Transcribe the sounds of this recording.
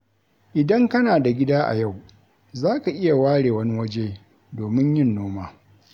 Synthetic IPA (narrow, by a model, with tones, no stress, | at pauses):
ʔɪ˨dɐ˦ŋkɐ˦naː˨da˨ɡʲɪ˦daː˦ʔa̰˨ja˦˨w | zaː˦ka˨ʔɪ˦ja˨waː˦ɽeː˨wɐ˦ni˦wɐ˦d͡ʒeː˦ | doː˨mɪ˦ɲjɪ˦nːoː˦maː˦